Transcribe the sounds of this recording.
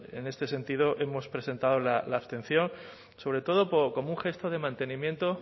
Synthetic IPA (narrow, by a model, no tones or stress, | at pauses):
e̞̰ne̞st̪e̞se̞nt̪ið̞o̞ʔe̞mo̞spɾe̞se̞nt̪aðo̞lalaːβst̪ẽ̞n̟θjo̞n | so̞βɾe̞t̪o̞ð̞o̞poɾko̞muŋxe̞st̪oð̞e̞mãnt̪e̞nĩmjẽ̞nt̪o̞